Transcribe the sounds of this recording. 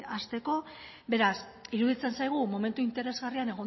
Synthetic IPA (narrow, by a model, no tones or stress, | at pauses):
ast̪e̞ko̞ | be̞ɾas | iɾuðit͡se̞nsajɣ̞umo̞me̞nt̪uint̪e̞ɾe̞zɣariane̞ɣ̞o̞